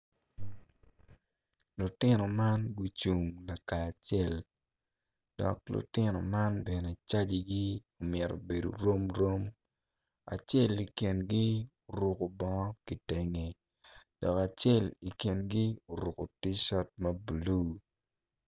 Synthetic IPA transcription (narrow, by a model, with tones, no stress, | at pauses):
lu˨tɪ˦nɔ˨ma˦nɡu˨t͡ʃu˨ŋla˨kaː˨t͡ʃɛ˦˨l | d̥ɔ̰˨k̚lʊ̰˨tɪ˦nɔ̰˨ma˦nbɛ˨nɛ˨t͡ʃa˦d͡ʒi˨ɡi˦o˨mɪɛ˨ɾo̰˨be˨do̰˨ɾo˦mɾo˦m | a̰˨t͡ʃe˦li˨ki˨nɡi˦o˨ɾu˨ko˨bɔ˦ŋɔ˦ki˨tɛ˦ŋe˨ | d̥ɔ˨ka˨t͡ʃɛ˦˨li˨ki˨nɡi˦o˨ɾu˨ko˨ti˦ʃɔ˦t̚mɐ˦bu˨lu˦